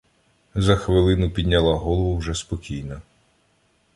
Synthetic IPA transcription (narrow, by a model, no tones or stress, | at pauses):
zɐxʋɪlˠɪnʊpʲid̪ʲnʲːɐlˠaɦɔlˠɔʋʊwʒɛspɔkʲijnɐ